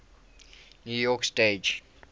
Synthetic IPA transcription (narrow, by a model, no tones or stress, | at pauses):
njujɔksted͡ʒ